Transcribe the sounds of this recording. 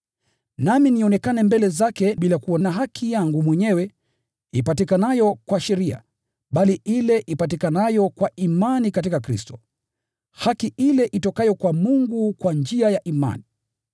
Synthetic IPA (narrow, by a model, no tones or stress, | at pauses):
naminiɔnɛkanɛmbɛlɛzakɛɓilakuɔnaɦakʰijaŋɡumwɛɲɛwɛ | ipatikanajɔkwaʃɛɾia̰ | ɓaliʔilɛʔipat̬ikanajɔkwaʔimanikat̬ikakɾḭstɔ̥ | hakiʔilɛʔitɔkajɔkwamuŋɡukwand͡ʒiajaʔima̰ni